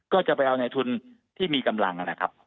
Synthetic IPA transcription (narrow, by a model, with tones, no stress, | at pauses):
kɔː˥˩t͡ɕa˨˩pa˧jʔa˧wna˧jt̪ʰu˧n | t̪ʰiː˥˩miː˧ka˧mla̰˧ŋʔa˧nla˧˩kʰa̰˦˥p̚